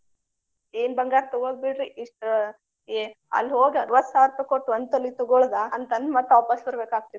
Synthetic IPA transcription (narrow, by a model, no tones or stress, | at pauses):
eːnbɐŋɡaːɾt̪ɔɡoɡ̚biɽɾiʔiʂʈ | eɐ̰lːɦoːɡɐɾʋɐsaːɾt̪ɐkoʈːuɐnd̪̚t̪ɐlːit̪ɔɡoɭd̪aɐnt̪ɐnd̪maːt̪ːɐɔpɐsbɐɾbeːkaːɡ̚t̪ii